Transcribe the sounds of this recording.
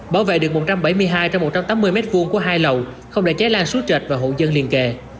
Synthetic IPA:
ɓaː˧˩wvḛ˧˨ɗɨ˨˩əkmo˨˩t̚t͡ɕa˧mɓə˧˩jmɨ˧əjɦaː˧jt͡ɕɔ˧wmːo˨˩t̚t͡ɕa˧mt̪aː˨˦mːɨ˧əjmɛ˦˥t̚vu˧ŋku˧˩əɦaː˧jlə˨˩w | xə˧wŋ͡mɗe˧˩t͡ɕɛ˨˦˥laː˧nsu˨˦˥t͡ɕə˨˩t̚vaː˨˩ɦo̰˧˨zə˧nli˨˩nke˨˩

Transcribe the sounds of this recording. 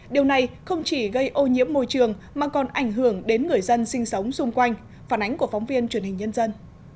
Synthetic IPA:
ɗi˨˩əwna˨˩jxə˧wŋ͡mt͡ɕi˧˩ɣə˧jʔo˧ɲḭ˧˥əmmːo˧jt͡ɕɨ˨˩əŋ | maː˨˩kɔ˨˩nʔa˧˩jŋ̟ɦɨ˧˩əŋɗe˨˦nŋɨ˨˩əjzə˧nsï˧ŋ̟sə˨˦wŋ͡msʊ˧ŋ͡mkwa˧jŋ̟ | faː˧˩nʔa˨˦ŋ̟ku˧˩ə˩fɔ˨˦wŋ͡mvi˧ənt͡ɕwənhï˨˩ŋ̟ɲə˧nzə˧n

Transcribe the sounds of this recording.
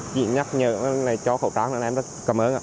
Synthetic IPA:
t͡ɕḭ˧˨ɲa˦˥k̚ɲə̰ː˧˨˧laː˨˩t͡ɕɔ˧˦xə˧˩wt̪aː˨˦˥ŋnaː˨˧˩mzə˦˥kə˨˩mʔəː˨˦nʔa̰ː˧˨

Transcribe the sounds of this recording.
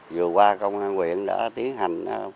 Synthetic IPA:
zɨ˨˩kwaː˧kə˧wŋ͡mʔaː˧nkwḭ˧˨ənɗa̰ː˧˥t̪i˨˦ənɦa˨˩jŋ̟a˨˧˦

